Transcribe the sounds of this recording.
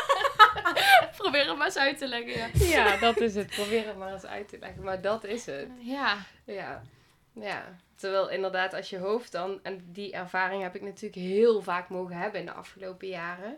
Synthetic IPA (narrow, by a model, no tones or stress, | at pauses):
probɪːrətmaːsœɥtəlɛɣəjajadɑtɪs̬ətprobɪːrətmaːrəsœ̰ɥtəlɛ̰ɣəmaːɹdɑtɪsət | ja | ja̰ːtəʋɛːlˠɪndəɹdaːtɑlsjəɦowftdɑnɛndiʔɛɹv̥aːrɪŋɦɛpɪk̚natyːrləkɦɪːlˠvaːkmowɣəɦɛbənɪndə̰ʔɑ̰fχəlowpəjaːrə